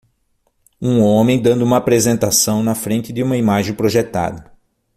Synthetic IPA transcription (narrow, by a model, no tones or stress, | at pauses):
ũõmẽj̃d̪ɐ̃nd̪ʊũmɐapɾezẽnt̪asɐ̃w̃nɐfɾẽnt̪ɪd̪ɪũmɐimaʒẽj̃pɾoʒet̪a̰d̪ɐ